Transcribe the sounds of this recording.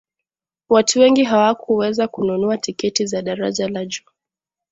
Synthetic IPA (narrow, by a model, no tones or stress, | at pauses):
watuwɛŋɡiɦawakʰuwɛzakununuatikɛtizaɗaɾa̰ʄalad͡ʒuː